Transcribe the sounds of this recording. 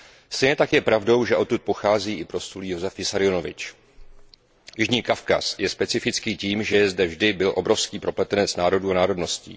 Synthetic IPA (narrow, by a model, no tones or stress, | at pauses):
st̪ɛjɲɛt̪akjɛpɾavdo̞wʒɛʔo̞t̪ːut̪̚po̞xaːziːʔɪpɾo̞st̪uljo̞zɛfjɪsaɾɪjo̞no̞vɪ̰t͡ʃ | jɪʒɲiːkafka̰sjɛspɛt͡sɪfɪt͡skiːciːmʒɛjɛzdɛvʒdɪbɪlʔo̞bɾo̞fskiːpɾo̞plɛt̪ɛnɛt͡snaːɾo̞duːanaːɾo̞dno̞scḭː